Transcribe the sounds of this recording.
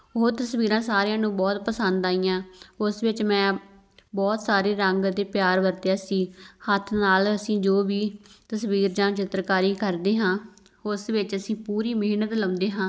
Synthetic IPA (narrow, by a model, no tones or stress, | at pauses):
oːt̪əsʋiːɾãːsaːɾeãːnũːbɔːt̪pəsənd̪aːijãːʊsʋɪt͡ʃmɛ̃ː | bɔːt̪saːɾeːɾəŋɡd̪eːpjaːɾʋəɾt̪eːasiːhət̪ʰnaːləsĩːd͡ʒoːʋiːt̪əsʋiːɾd͡ʒãːt͡ʃɪt̪ɾkaːɾiːkəɾd̪eːɦãː | ʊsʋɪt͡ʃəsĩːpuːɾiːmeːnət̪lə̃ːnd̪eːɦãː